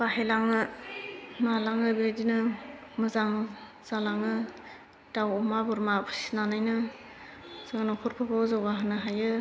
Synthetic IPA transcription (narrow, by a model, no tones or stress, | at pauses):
pahelaŋɯ | malaŋɯbedinɯmɯzaŋ | z̥alaŋɯ | tawɔmabɔɾmapʰɯ̥si̥nanajnɯ | z̥ɯŋanɔkʰuɾpʰapʰawzɔwɡaɦɯnɯɦajɯ